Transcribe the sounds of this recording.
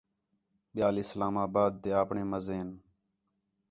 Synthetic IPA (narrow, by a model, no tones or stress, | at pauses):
ɓɪjaːlɪslaːmaːbaːd̪̚ːeːaːpɳeːməzeːn